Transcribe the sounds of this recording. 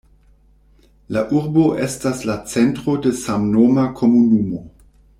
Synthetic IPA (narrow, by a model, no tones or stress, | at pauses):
laʔuɾboʔestaslat͡sentʁodesamnomakʰomunumo